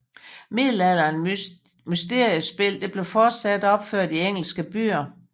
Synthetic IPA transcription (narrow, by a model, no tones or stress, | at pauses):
mið̰ˠl̩æl̰ɐn | mysd̥e̝ɐ̰ijəsb̥e̝l̰d̥e̝b̥le̝fɒːd̥sæd̥ɒ̽b̥føɐ̰d̥ieŋ̰l̩sɡ̥əb̥y̰ːɐ